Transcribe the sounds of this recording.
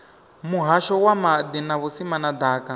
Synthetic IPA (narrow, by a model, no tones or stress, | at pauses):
muɦaʃɔwamad̪inaβusimanad̪aːka